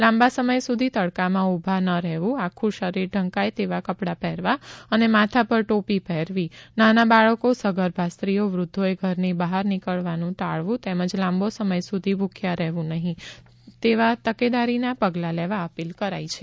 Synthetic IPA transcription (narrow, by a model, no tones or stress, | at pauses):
lãmbasəməjsud̪ʱit̪əɽkamãubʱanəɾɛɦʋũakʰũʃəɾiɾɖʱə̃ŋkajt̪eʋakəpɽapɛɾʋaənemat̪ʰapəɾʈopipɛɾʋinanabaɭəkosəɡəɾbʱast̪ɾioʋɾʊd̪ʱːoeɡʱəɾnibaɦaɾnikəɭʋanũt̪aɭʋũt̪eməd͡ʒlãmbosəməjsud̪ʱibʱukʰjaɾɛɦʋũnəɦĩ | t̪eʋat̪əked̪aɾinapəɡlaleʋaəpilkəɾajt͡ʃʰe